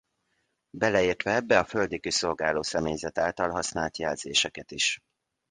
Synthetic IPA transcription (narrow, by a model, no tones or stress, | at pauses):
bɛlɛiːrt̪ʋɛɛbːɛɒføld̪ikyso̞lɡaːloːsɛmeːjzɛt̪aːlt̪ɒlɦɒsnaːlt̪jɛlzeːʃɛkɛt̪iʃ